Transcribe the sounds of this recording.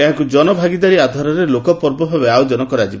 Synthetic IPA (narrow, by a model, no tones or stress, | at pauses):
eɦãkud͡ʒɔnɔbʱaɡid̪aɾiad̪ʱaɾɔɾelokɔpɔɾbɔbʱabeawd͡ʒɔnɔkɔɾad͡ʒib